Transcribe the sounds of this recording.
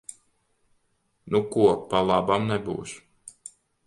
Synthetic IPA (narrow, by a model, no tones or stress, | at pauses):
nukuɔpalˠabamnɛbṵːʃ